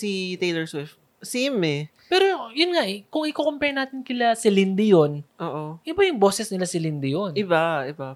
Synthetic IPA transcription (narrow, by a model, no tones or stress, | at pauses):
sit̪ejlɛɹswɪf | sɛmɛ | pɛːɾojʊnŋaʔɛkʊŋɪkokompɛnaːt̪ɪnkɪlasɪlɪnd̪ɪjo̞nʔoːʔoʔɪbajʊŋbo̞ːsɛsnɪlasɪlɪnd̪ɪjonɪbaʔɪba